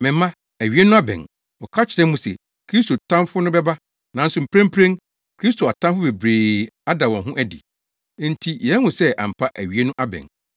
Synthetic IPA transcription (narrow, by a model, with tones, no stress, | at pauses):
mɪ̃˨m˦mã˦ | æ˨ɥi˨˦e˦nʊ̃˦a˦bɛ̰̃˨n | wɔ˨kʰa˦t͡ɕʰɪ˨ɾɛ̃˦m˦mũ˦sɛ̰˨ | kʰɾi˦sto˨tʰã˦fʊ˦nʊ̃˦bɛ˦ba˦ | nã˨˦n̩˦sʊ˨m̩˨pʰɾẽ˦m̩˦pʰɾẽ˦n | kʰɾi˦stʰo˨a˨tʰã˦mfʊ˦be˨bɾeː˨a˦da˨wɔ̃˨nɦʊ̃˦ʔæ˦dḭ̃˨˦ | n̩˦tʰi˨jɛ˨˦hʊ̃˨sɛ˦ʔa̰˨m̩˨pʰa˦ʔæ˨ɥi˨˦e˦nʊ̃˦ʔa˦bɛ̰̃˨n